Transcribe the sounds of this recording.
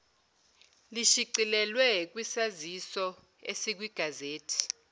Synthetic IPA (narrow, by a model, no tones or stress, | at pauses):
liʃiǀilɛlwɛk̬wisazisɔ | esik̬wiɡ̥ʱazeːtʰi̥